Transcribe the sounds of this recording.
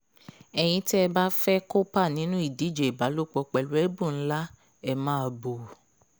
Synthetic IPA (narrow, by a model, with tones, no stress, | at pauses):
ɛ˧j̃ĩ˧ti˦ɛ˧ba˦fɛ˦ko˦pa˦˨nĩ˨˦nũ˦i˦˨di˨˦d͡ʒe˨i˨ba˨˦lo˦˨k͡pɔ˧k͡pɛ˨lu˨˦ɛ˦bũ˦˨n̩˦la˦ | ɛ˧mãː˦˧˨bo˨